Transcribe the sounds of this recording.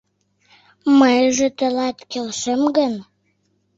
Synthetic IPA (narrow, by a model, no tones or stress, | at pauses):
məjʒĕt̪ə̆lɑt̪kelʃəmɡən